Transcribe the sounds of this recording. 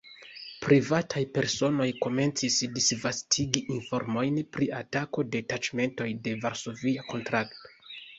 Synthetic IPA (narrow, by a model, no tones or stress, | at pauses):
pɾivatʰajpe̞ɾso̞no̞jko̞me̞nt͡sisdisvastʰiɡiʔinfo̞ɾmo̞jnpɾiatako̞de̞tat͡ʃme̞nto̞jde̞vaɾso̞viako̞ntɾakto̞̥